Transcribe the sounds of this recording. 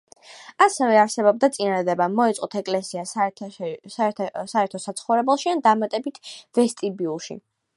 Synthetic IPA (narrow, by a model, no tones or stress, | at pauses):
asɛvɛaɾsɛbɔb̚d̪at̪sʼinad̪ad̪ɛbamɔɛt̪sʼqʼɔt̪ʰɛkʼlɛsia | saɛɾt̪ʰɔsat̪sʰχɔvɾɛbɛlˠʃiand̪amat̪ʼɛbit̪ʰvɛst̪ʼibiulˠʃḭ